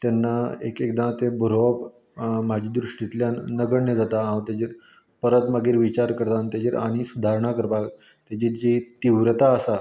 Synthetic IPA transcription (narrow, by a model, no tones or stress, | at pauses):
t̪ɛnːaḛkekd̪ãt̪ebəɾoʋəp | mad͡ʑʱiːd̪ɾuʂʈit̪ljanəɡəɳnəd͡zat̪aɦãt̪jad͡ʑiɾ | pəɾət̪məɡiːɾʋit͡ɕaɾkəɾt̪ant̪jad͡ʑiɾa̰ɽ̃isud̪ʱaɾɳakəɾbak | t̪jat͡ɕiɾd͡ʑit̪iʋɾt̪aəsa